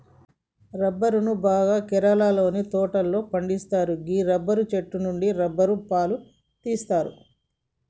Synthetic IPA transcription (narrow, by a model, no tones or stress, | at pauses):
ɾɐbːɐɾunubaːɡaːkɛɾɐlaːlo̞ːnit̪ɔːʈɐlːo̞ːpɐɳɖist̪aːɾuɡiːɾɐbːɐɾut͡ʃeʈːunuɳɖiɾɐbːɐɾupaːlu | t̪iːst̪aːɾṵ